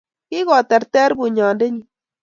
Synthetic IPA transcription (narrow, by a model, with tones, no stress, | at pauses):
i˦ɣo˨t̪e˨ɾt̪e˦ɾbu˨ɲaː˨nde˦ɲi˨